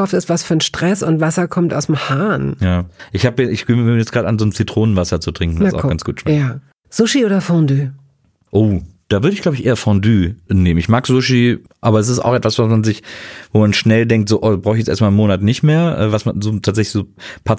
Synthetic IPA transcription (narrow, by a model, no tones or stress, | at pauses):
aʊftɪstv̥asfyɐnʃtʁ̥ɛsʊntv̥asɐkʰɔmta̰ʊsmhaːnjaːʔɪçhaːbɛɪçɡ̥eːmmiːjɛt͡sɡ̥ʁaːdəʔanzoːnt͡sitʁ̥oːnənvasɐt͡sutʁ̥ɪŋkŋ̩asa̰ʊɡansɡ̥uːtʃmɛjaː | z̥ʊʃiʔoːdɐfɔ̃ndyː | ʔoːd̥aːvʏɐɾəɪçɡlaʊbəçʔeːɐfɔ̃ndyːneːm̩ɪçmaːkz̥ʊʃi | ʔaːbɐɛs̬ɪsta̰ʊxʔɛtvasv̥asmanzɪçvoːmanʃnɛldɛŋktz̥oːʔoːdabʁaʊxɪçjɛt͡sʔeɐstmaːlnmoːnatnɪçtmeːɐʔɛ̰ːvasmanzoːtʰaːtzɛçlɪçz̥oːpʰa